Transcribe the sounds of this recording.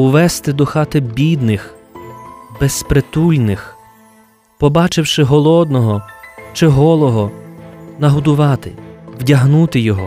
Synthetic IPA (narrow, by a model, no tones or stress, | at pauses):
ʊʋɛst̪ɪd̪ɔxɑt̪ɪbʲid̪nɪx | bespɾet̪ulʲnɪx | pɔbɑt͡ʃɪwʃɪɦɔlˠɔd̪nɔɦɔt͡ʃɪɦɔlˠɔɦɔ | nɐɦʊd̪ʊʋɑt̪ɪwdʲɐɦnut̪ɪjɔɦɔ